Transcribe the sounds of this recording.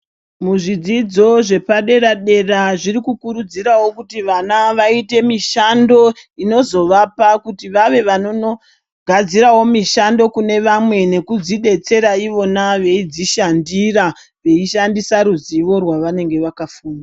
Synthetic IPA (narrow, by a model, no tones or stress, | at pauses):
muʐid͡zid͡zo̞ʐe̞paɗe̞ɾaɗe̞raʐiɾikukuɾud͡ziɾawo̞kutiʋanaʋaite̞miʃando̞ino̞zo̞ʋapakutiʋaʋe̞ʋanono | ɡʱad͡ziɾawo̞miʃando̞kune̞ʋamwe̞ne̞kud͡ziɗe̞t͡se̞ɾaiʋo̞naʋe̞id͡ziʃandira | ʋe̞iʃandisaɾuziʋo̞rwaʋane̞ŋɡe̞ʋakafuːnda